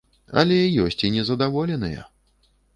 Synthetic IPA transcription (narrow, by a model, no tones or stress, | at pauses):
ɐ̰lʲɛjɔsʲt͡sʲinʲɛzɐd̪avɔlʲɛnɨjɐ̰